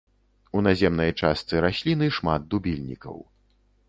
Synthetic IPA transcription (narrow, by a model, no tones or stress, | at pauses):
unazʲɛmnɐjt͡ʂast̪sɨɾasʲlʲinɨʂmad̪̚d̪ubʲilʲnʲḭkɐ̰w